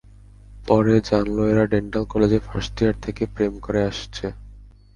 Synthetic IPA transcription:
pɔɾed͡ʑanloeɾaɖeɳʈalkɔled͡ʑefasʈiaɾt̪ʰekepɾemkoɾeaʃt͡ɕʰe

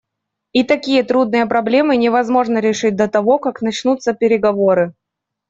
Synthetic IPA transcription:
it̪ɐkʲijət̪ɾud̪̚nɨjəpɾɐblʲe̞mɨnʲɪvɐzmo̞ʐnəɾʲɪʂɨt̚ʲd̪ət̪ɐvo̞kaknɐt͡ɕnut̪sːəpʲɪɾʲɪɡɐvoɾɨ

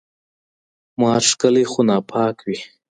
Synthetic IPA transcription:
mɑːʂkəlexonɑːpʰɑːkwi

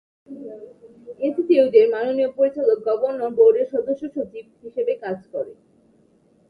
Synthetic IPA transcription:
esisiudeɾmanonijopoɾit͡ɕalok̚ɡɔbonːobowɾeɾʃɔd̪oʃːoʃːot͡ɕib̚ɦiʃebekad͡ʑkɔɾe

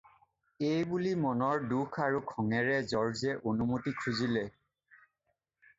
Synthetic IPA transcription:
ejbulimɔnɔɹdukʰaɹukʰɔŋɛɹɛzɔɹzɛʔonumotikʰuzilɛ

